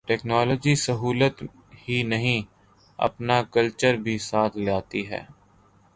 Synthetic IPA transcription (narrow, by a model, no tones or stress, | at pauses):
ʈɛːknɔːlɔd͡ʒisəɦuːlət̪ | hinɐɦĩ | ɐ̰pnakəlt͡ʃəɾbʱisaːt̪ʰlaːt̪iɦɛ̰ː